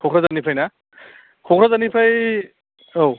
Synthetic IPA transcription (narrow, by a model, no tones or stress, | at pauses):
kʰɔkʰɾazanipʰajna | kʰɔkʰɾazanipʰaj | ow